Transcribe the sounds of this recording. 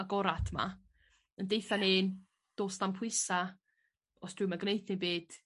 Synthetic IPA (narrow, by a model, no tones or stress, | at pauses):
aɡɔɾadma̰ | əndejθaneːn | d̥oːstampʰwʊɨsa | ɔsd̥ʰwɪmaɡnejθnebeːd̥